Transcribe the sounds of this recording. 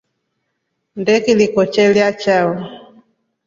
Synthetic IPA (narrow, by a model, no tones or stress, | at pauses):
ndɛkilikɔt͡ʃɛlijat͡ʃawɔ